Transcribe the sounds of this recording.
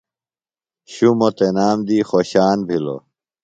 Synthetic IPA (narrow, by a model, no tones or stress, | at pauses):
ɕumot̪enaːmd̪iːxoɕaːnbʱilo̰